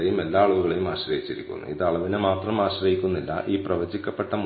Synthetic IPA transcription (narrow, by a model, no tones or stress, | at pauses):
ejume̞lːaːɐɭuʋuɣɐɭejumaːɕrɐjit͡ɕːiɾḭkʲːṵnːṵiðɐɭɐʋinemaːt̪rɐmaːɕrɐjikʲːunːilːɐ̰ʔiːprɐʋɐd͡ʑikʲːɐpːe̞ʈːɐm